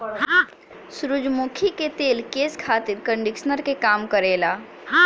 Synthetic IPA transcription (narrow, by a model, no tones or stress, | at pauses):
sʊɾʊd͡ʒmuːkʰiket̪eːlkeːskʰaːt̪ɪɾkə̃ɳɖɪkʃnəɾkekaːmkəɾeːlaː